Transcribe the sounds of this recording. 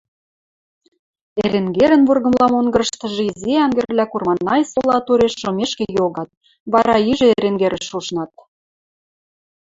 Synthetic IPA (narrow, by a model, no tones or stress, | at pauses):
eɾeŋɡeɾə̆nβurɣɤ̆mlɑmoŋɡɤ̆ɾə̆ʃt̪ɤ̆ʒɤ̆izeɑŋɡĕrβlʲækurmɑnːɑjsolɑt̪uɾeʃːomeʃkĕjoɣɑt̪̚ | βɑɾɑiʒĕeɾeŋɡeɾə̆ʃuʃnɑt̪̚